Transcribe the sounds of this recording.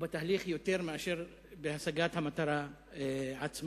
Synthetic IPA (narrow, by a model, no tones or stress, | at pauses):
bet̪aɦliχjo̞t̪e̞ʁmeaʃe̞ʁ | behasaɡat̪hamat̪aɾa | ʕat͡sm